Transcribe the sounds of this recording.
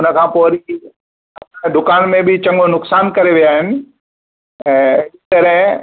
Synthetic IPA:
ʊnə̆kʰãːpoːɾi | ɐd̪ʊkaːnmẽbɪt͡ɕɐ̃ŋɡʊnʊksaːnkɐɾeʋijaːɦɪnɪ̆ | ɛ̃ːɪt̪ɐɾəɦɪ̃

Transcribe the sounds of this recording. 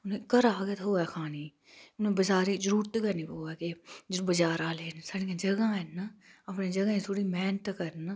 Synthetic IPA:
ʊnẽkəɾaːɡet̪ɦoːɛːxʰaːniː | ʊnẽbəd͡ʒaːɾid͡ʒəɾuːɾt̪kɐniːboːɛkebəd͡ʒaːɾaːleːnsaːɽiãd͡ʒɐɡaɛnaɐpned͡ʒɐɡaẽt̪ʰoːɽimɛːnət̪kɐɾn

